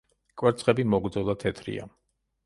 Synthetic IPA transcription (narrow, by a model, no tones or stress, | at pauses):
kʼwɛɾt̪sʰʼχʼɛbimɔɡɾd̪zɔd̪at̪ʰɛt̪ʰɾḭa̰